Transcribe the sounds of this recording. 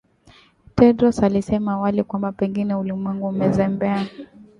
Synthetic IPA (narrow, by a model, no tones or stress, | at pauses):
tɛdɾɔsalisɛmawalɛkwambapɛŋɡinɛulimwɛŋɡuːmɛzɛmbɛa